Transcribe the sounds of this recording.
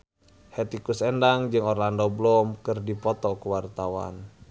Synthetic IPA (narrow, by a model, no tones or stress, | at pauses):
hɛt̪ikusɛndaŋd͡ʒɨŋɔrlandɔblɔmkɨrdipɔt̪ɔkuwart̪awa̰n